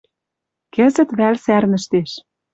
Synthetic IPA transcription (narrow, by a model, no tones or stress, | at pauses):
kɘ̆zɘ̆t̪βælsærnə̆ʃt̪eʃ